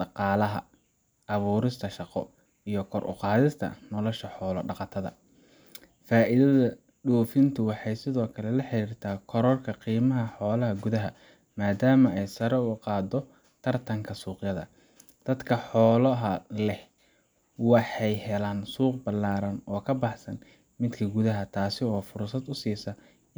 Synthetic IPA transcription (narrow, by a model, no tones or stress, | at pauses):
ɖɑqɑːlɐɦɐ̰ | ʔɑβuːɾɪst̪ʰɐʃɑqɔ̰ | ijɞkʰɔɾʔʊ̰qɑːðɪst̪ʰɐ̰nɔlɔʃɐħɔːlɔ̰ɖɑqɑt̪ʰɐðɐ̰ | faːʔɪðɐðɐ | ɖɔːfɪnt̪ʰʊwɑħɑjsɪðɔːkʰɐlɛlɐħeɾiːrt̪ʰaːkʰɔɾɔrkʰɐqiːmɐɦɐħɔːlɐɦɐɡʊðɐɦɐ | maːd̪aːmɐɛjsɐɾɛʊqɑːd̪ɔ | t̪ʰɐrt̪ʰɐŋkʰɐsuːqjɐðɐ̰ | d̪̥ɐd̪kʰɐħɔːlɐɦɐlɛh | wɑħɑjhɛlaːnsuːqbɐlaːɾɐnɔːkʰɐbɑħsɐn | mɪd̪kʰɐɡʊðɐɦɐt̪ʰaːsɪɔːfʊrsɐd̪ʊsiːsɐ